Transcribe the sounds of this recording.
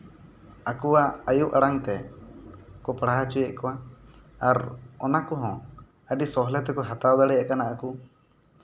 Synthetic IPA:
akuwaajuʔʔaɽaŋt̪ɛ | kɔpɽaɦat͡ʃujɛʔkɔwaaɾɔnakɔɦɔ̃ | əɖisɔɦlɛt̪ɛkɔɦat̪awd̪aɽɛjaʔkanaʔaku

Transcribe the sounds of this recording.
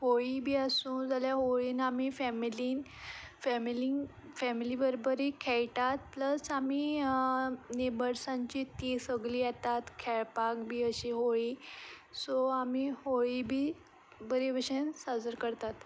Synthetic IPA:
hoɭibʱiːasũːd͡zaljaɦoɭiːnamifɛmiliːnfɛmili | fɛmilibəɾbəɾikʰɛjʈat̪̚pləsami | nebəɾsãɲt͡ɕit̪isəɡliːat̪at̪kʰɛɭpakbʱiːəɕiɦojisoamihoɭibʱiː | bəɾibəɕensad͡zəɾkəɾt̪at̪

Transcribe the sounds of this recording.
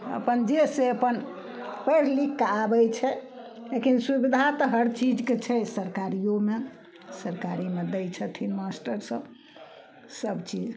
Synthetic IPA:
ə̰pənd͡ʒeseəpən | pəɾlikːabɛjt͡ʃʰɛ | lekinsubid̪ʱat̪əɦəɾt͡ʃid͡ʒket͡ʃʰɛsəɾkaɾijome | səɾkaɾimed̪ɛjt͡ʃʰət̪ʰinmasʈəɾsə̃ | səbt͡ʃid͡ʒ

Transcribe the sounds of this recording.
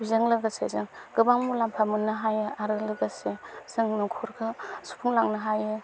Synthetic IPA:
bizɯŋlɯɡasḛzɯŋɡɯbaŋmulampʰamɯnːɯɦajɯaɾɯlɯɡasez̥ɯŋnɯkʰɔɾɡʰɯsu̥pʰuŋlaŋnɯɦajɯ

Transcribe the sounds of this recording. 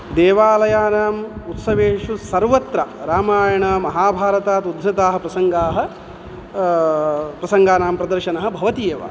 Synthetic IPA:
d̪eːʋaːlɐjaːnaːmut̪sɐʋeːʂusɐɾʋɐt̪ɾɐɾaːmaːjɐɳɐmɐɦaːbʱaːɾɐt̪aːt̪ud̪ʱɾɐt̪aːɦɐ̆pɾɐsɐŋɡaːɦɐ̆ | pɾɐsɐŋɡaːnaːmpɾɐd̪ɐɾʃɐnɐɦɐ̆bʱɐʋɐt̪ijeːʋa̰

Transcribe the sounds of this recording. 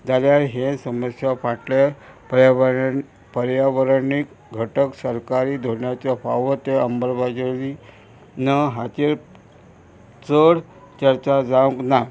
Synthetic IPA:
d͡zaljaɾɦesəməsjafaʈlepəɾaə | pəɾjaʋəɾnik | ɡʱəʈəksəɾkaɾiːd̪ʱoɳjat͡ɕjafaʋət̪eəmbəɾbʱad͡ʑəli | nəɦat͡ɕeɾ | t͡səɽ | t͡ɕəɾt͡ɕad͡zaũŋkna

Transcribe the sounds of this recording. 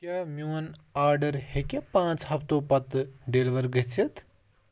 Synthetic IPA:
kʲjaːmjuːnaːɾɖəɾhekepãːt͡sɦɐpʰt̪oːpɐt̪ɖeːlʋɐɾɡət͡sʰit̪

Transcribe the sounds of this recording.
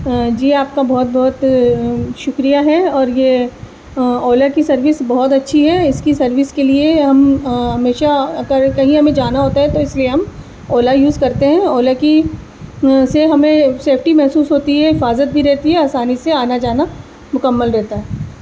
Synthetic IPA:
d͡ʒiːaːp̚kabɔɦɔt̪̚bɔːʊt̪ | ʃʊkɾijaɦɛɔːɾje | ɔːlakisɐɾʋɪsbɔɦɔt̪ɐtːʃʰiɦɛɪskisɐɾʋɪskelieɦɐmɦɐmeːʃaɐɡəɾkɐɦĩɦɐmẽd͡ʒaːnaɦoːt̪aɦɛt̪oɪslieɦɐm | oːlajuːzkɐɾt̪eɦɛ̃oːlaki | seɦɐmẽseːpʰʈimɛɦsuːsɦoːt̪iɦɛɦɪfaːzət̪̚bʱiɾɛɦt̪iɦɛaːsaːniseaːnad͡ʒaːna | mʊkəmːəlɾɛɦt̪aɦɛː

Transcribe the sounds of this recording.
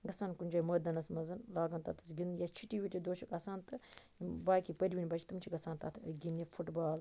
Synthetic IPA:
ɡɐsaːnkunʲd͡ʒaːjməːd̪ɐnɐsmɐzɐnlaːɡɐnt̪ɐt̪ʰɨ̥sɡind̪jat͡ʃʰiʈiʋiʈʲid̪oːʃɐkɐsaːnt̪ɨ | baːkipɐɾʲʋinʲbɐt͡ʃʰi̥t̪ɨmt͡ʃʰiɡɐsaːnt̪ɐt̪ʰɡʲinjɐfʰuʈbaːl

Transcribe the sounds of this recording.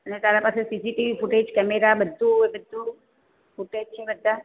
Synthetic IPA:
ənet̪aɾapasesisiʈiʋifuʈed͡ʒkɛmeɾabəd̪ʱːuebəd̪ʱːu | fuʈed͡ʒt͡ʃʰebəd̪ʱːa

